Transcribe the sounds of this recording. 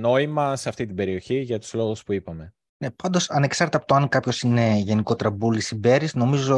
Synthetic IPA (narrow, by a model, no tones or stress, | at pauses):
no̞imɐseɐft̪it̪ibe̞ɾio̞çiʝɐt̪u̥z̥lo̞ɣuspuipɐme̞ | ne̞pɐnd̪o̞sɐne̞ksɐɾt̪eɐpo̥t̪oɐŋkɐpço̞sine̞ʝe̞niko̞t̪ɾɐbulisibe̞ɾisno̞mizo̞